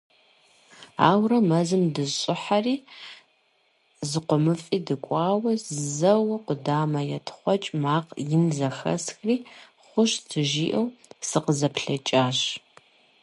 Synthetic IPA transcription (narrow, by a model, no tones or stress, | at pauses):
a̰ːwrɐmɐzɨmdɨzɕʼɪħariː | zɨqʷɔmɨfʼiːdɨkʷʼɑːwɐzɨzɐwɐqʷʊdaːmɐjɛtʰχʷɔt͡ʃʼmaːqjɪnzɐxɐ̰sxriː | χʷʊɕtʰɨʒiːʔɐwsɨqəzɐpɬɐt͡ʃʼaːɕ